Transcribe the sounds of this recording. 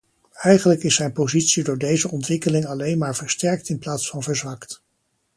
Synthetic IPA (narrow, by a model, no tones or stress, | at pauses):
ɛjχənləkɪsːɛjnpozitsidʊːɹdejzəɔntʋɪkəlɪŋɑlejnmaːɹvəɹstɛɹk̚tɪnplaːtsfɑnvəɹzʋɑkt